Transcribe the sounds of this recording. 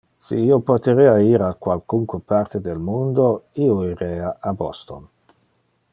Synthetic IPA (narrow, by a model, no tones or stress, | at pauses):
sḭiːopot̪eɾeaiːɾakwalkuŋkwepart̪ed̪elmund̪oioiɾeaʔabɔst̪on